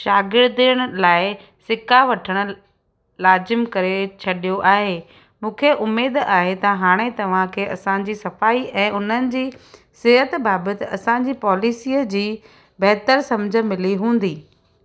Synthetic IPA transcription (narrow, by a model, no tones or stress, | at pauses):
ʃaːɡɪɾd̪ɪjəɽ̃ʊ̆laːɪ | sɪkʰaʋɐʈʰəɽ̃ʊ̆ | laːzɪmkɐɾet͡ɕʰɐɗijoʔaːɦeː | mũːkʰeʔʊmːeːd̪aːɦet̪ɐɦaːɽ̃et̪ɐʋ̤ãkʰeːʔɐsãd͡ʑiːsɐfaːiɛ̃ːʔʊn̤ənɪ̆d͡ʑiː | sɪɦət̪baːbət̪ɪɐsãɲd͡ʑiːpɔːlɪsiːəd͡ʑiː | bɛɦt̪əɾsɐ̃md͡ʑʱə̆mɪliɦũːn̆d̪iː